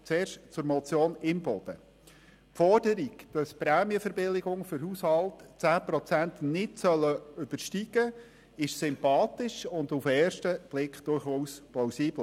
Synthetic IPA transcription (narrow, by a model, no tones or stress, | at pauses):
t͡sɛːɾʃtt͡sʊɾmɔt͡sjoːnɪmbɔd̥ə | fɔrd̥əɾiɡd̥ɑspɾæːmjəfəɾbɪlɪɡʊŋfʏɾhushɑltt͡sæːpɾɔt͡sæntnɪtsœlːəʏb̥əɾʃtiɡ̥ə | ɪʃsʏmpɑːtɪʃʊndufɛːɾʃtəb̥lɪkχd̥ʊrχuːsplawsiːbl